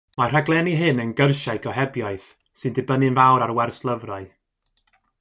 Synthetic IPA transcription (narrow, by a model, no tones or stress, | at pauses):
mar̥aɡlˠɛniɦɨnənɡərʃaɨɡɔɦɛbjaɨθ | sɨndɨbənɨnvawɾarwɛrslˠəvraɨ